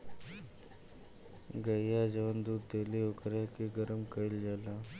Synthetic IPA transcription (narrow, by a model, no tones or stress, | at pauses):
ɡəjjad͡ʑəʋənd̪ud̪t̪eliokɾakiɡəɾəmkəild͡ʑala